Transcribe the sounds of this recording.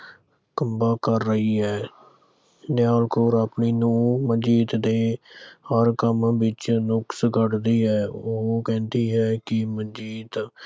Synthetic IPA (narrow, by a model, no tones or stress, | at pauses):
kəmbaːkəɾːəɦiːɛː | nɪjaːlkoːɾapɳiːnũːməd͡ʒiːt̪d̪eːhəɾkəmbɪt͡ʃnʊksɡəɖd̪iːɦɛːoːkɛ̃ːnd̪iːɦɛːkɪməd͡ʒiːt̪